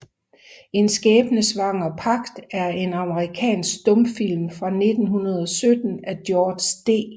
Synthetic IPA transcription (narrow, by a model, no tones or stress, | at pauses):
e̝nsɡ̥ɛːb̥nəsʋɑ̈ŋ̰ɐpʰɑ̈ɡ̥d̥æɐe̝nɑ̈məʁikʰɛ̰ːnsɡ̥d̥ɔ̽mfil̰mfʁɑ̈ne̝d̥n̩ɦunɐð̞ˠɒsød̥n̩æd̥jɔːd̥sd̥e̝̰ː